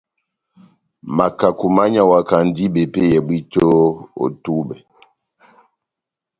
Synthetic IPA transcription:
ma˨ka˨ku˨ma˦ɲa˨wa˨ka˨n˦di˦ɓɛ˨pe˦jɛ˨bwi˦to˦o̰˨tu˦ɓɛ˨

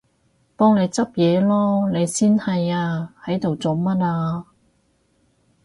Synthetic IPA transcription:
pɔː˥ŋne˨˧jt͡sɐ˥p̚jɛː˨˧lɔː˥ne˨˧jsiː˥nhɐ˨jaː˧hɐ˨˥jt̪o˨wt͡so˨˥wmɐ˥t̚aː˧

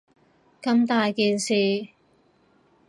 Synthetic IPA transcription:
kɐ˧mt̪aː˨jkiː˨˧nsiː˨

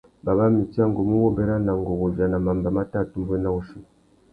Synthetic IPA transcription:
ba˨βa˦mi˨ti˦a˦ŋɡo˨mu˦wo˦bɛ˦ɾa˦na˨ŋɡo˨ɣo˨va˨na˨ma˨mba˨ma˦ta˦˨tu˦m˦be˦na˦u˦ʃi˦˨

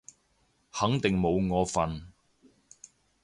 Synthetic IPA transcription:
hɐ˨˥ŋt̪ɪ˨ŋmo˨˧wŋɔː˨˧fɐ˨n

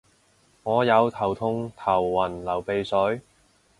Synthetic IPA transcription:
ŋɔː˨˧jɐ˨˧wt̪ʰɐ˨˩wt̪ʰʊ˧ŋt̪ʰɐ˨˩wːɐ˨˩nlɐ˨˩wpe˨jsɵ˨˥ɥ

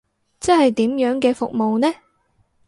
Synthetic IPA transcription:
t͡sɐ˥hɐ˨jt̪iː˨˥mjœː˨˥ŋkɛː˧fʊ˨k̚mo˨wnɛː˥

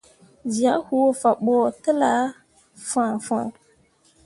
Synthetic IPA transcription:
zi˨a˨˦hu˦wo˨fa˨ɓɔ˨tə˦la˦ | fã˨fã̰˨

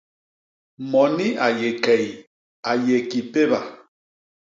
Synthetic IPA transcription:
mɔ˨ni˦a˨je˨kɛ˨j | a˨je˨ki˨pe˦ba˨

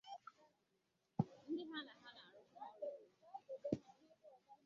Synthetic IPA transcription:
n̩˦dɪ˦ɦa˦na˨ɦa˦na˨ɾʊ˦a˦ko˦˨˦

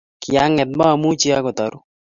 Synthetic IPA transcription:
kɪja˦ŋɛ˨d̚ma˦˨mu˦t͡ʃi˦a˦kɔ˨t̪a˨ɾu˦

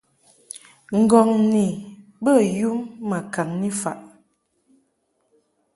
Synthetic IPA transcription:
ŋ̩˨ɡɔ˨ŋni˨bə˦˨ju˦mːa˨ka˨ŋni˦fa̰˨ʔ

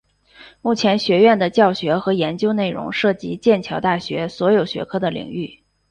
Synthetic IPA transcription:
mu˥˩t͡ɕʰjɛ˧˥nɕɥɛ˧˥ɥɛ˥˩nd̪ə˩t͡ɕjɑ˥˩ʊɕɥɛ˧˥xɤ˧˥jɛ˧˥nt͡ɕjo˥ʊne˥˩ɪɻʊ̰˧˥ŋʂɤ˥˩t͡ɕḭ˧˥t͡ɕjɛ˥˩nt͡ɕʰjɑ˧˥ʊt̪a˥˩ɕɥɛ˧˥swɔ˧˥jo˨˩ʊɕɥɛ̰˧˥kʰɤ˥˩d̪ə˨lḭ˨˩ŋy˥˩

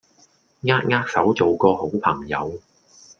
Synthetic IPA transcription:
ŋaː˥k̚ŋaː˥k̚sɐ˨˥wt͡so˨wkɔː˧ho˨˥wpʰɐ˨˩ŋjɐ˨˧w

